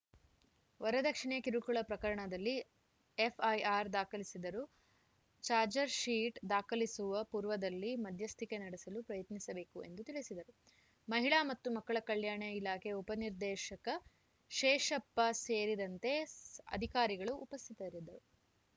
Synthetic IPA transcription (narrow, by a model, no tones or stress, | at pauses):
ʋɐɾɐd̪ɐkʂiɳeɐkiɾukuɭɐpɾɐkɐɾɐɳɐd̪ɐlːi | epʰɐjaːɾd̪aːkɐlisid̪ɐɾu | t͡ʃaːɾd͡ʒɐɾʃiːʈd̪aːkɐlisuʋɐpuːɾʋɐd̪ɐlːimɐd̪ʱjɐst̪ʰikenɐɽisɐlupɾɐjɐt̪nisɐbe̞ːkue̞̰nd̪ut̪iɭisid̪ɐɾu | mɐɦiɭaːmɐt̪ːumɐkːɐɭɐkɐɭjaːɳɐilaːkʰeupɐniɾd̪ɛːʃɐkɐ | ʃɛːʃɐpːɐseːɾid̪ɐnt̪e̞ɐ̰d̪ʱikaːɾiɡɐɭuʔːpɐst̪ʰit̪ɐɾid̪ɐɾu